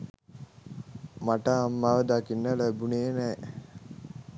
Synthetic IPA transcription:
maʈaːmːaːʋəd̪akinːələbuneːnɛ

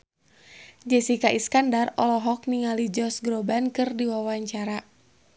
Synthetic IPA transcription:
d͡ʒɛsikaʔiskandarɔlɔɦɔk̚niŋalid͡ʒɔsɡɾɔbankɨrdiwawaɲt͡ʃaɾa

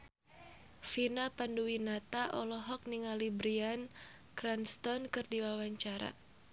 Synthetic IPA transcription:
finapanduwinat̪aʔɔlɔɦɔk̚niŋalibɾian | kɾanst̪ɔnkɨrdiwawaɲt͡ʃaɾa̰

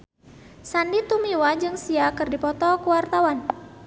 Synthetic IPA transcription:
sandit̪umiwad͡ʒɨŋsiakɨrdipɔt̪ɔkuwart̪awan

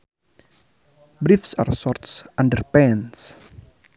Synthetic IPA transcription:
bɾifsa̰rsɔrtsʔãndəɾpɛ̃ns

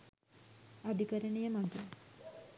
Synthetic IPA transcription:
ad̪ikəɾənejəmaʈə

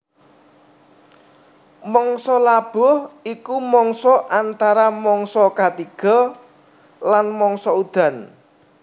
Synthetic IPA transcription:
mɔŋsɔlab̥ɔ̤hikumɔŋsɔʔant̪aɾamɔŋsɔkat̪iɡ̥ɔ̤ | lanmɔŋsɔud̪̥a̤n

